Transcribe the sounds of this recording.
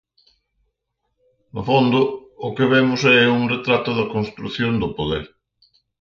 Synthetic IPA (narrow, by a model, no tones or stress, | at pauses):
nʊfond̪ʊːkɪβemʊsɛuŋret̪ɾat̪ʊðɐkonst̪ɾṵθjond̪ʊpoðḛɾ